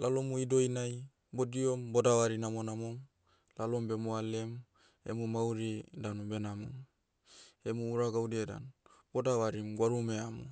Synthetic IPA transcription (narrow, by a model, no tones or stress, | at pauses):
lalomuidoinaj | bodiombodawaɾinamonamom | lalombemualem | ḛmumauɾidanubenamom | emuːɾaɡawdeda̰nb̥odawaɾimɡwaɾumeamṵ